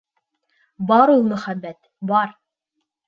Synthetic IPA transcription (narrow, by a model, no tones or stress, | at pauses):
bɑɾulˠmɵ̆χæbːæt̪ | bɑɾ